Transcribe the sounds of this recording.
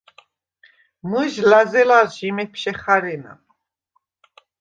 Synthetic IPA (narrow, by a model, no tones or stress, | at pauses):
mɨʒlazɛlaʒimɛpʰʃɛχaɾɛna̰